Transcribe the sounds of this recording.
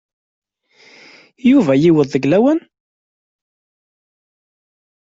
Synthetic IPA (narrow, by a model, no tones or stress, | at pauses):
juvæjiwəðˤːəɡlæwæn